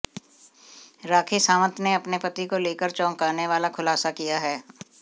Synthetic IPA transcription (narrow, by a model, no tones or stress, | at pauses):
ɾaːkʰisaːʋə̃t̪neɐpnepɐt̪ikoleːkəɾt͡ʃɔ̃ːŋkaːɾneʋaːlakʰʊlaːsakijaɦɛː